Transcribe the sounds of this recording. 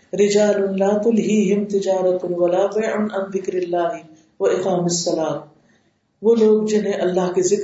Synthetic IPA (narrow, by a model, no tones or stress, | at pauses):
ɾɪd͡ʒaːlʊnlaːt̪ʊlɦiːɦɪmt̪ɪd͡ʒaːɾɐt̪ʊnwɐlaːfeʕʊnɐ̃nb̪ɪkɾɪlːaːɦɪ | ʋɐɪqaːmɪsːɐlaːt̪̚ | ʋoːloːɡ̚d͡ʒɪnɦẽʔɐlːaɦkezɪk